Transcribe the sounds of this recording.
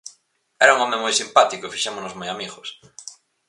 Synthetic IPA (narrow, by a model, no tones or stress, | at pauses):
ɛɾauŋɔmẽmojsimpat̪ikofiʃemonozmojamiɣos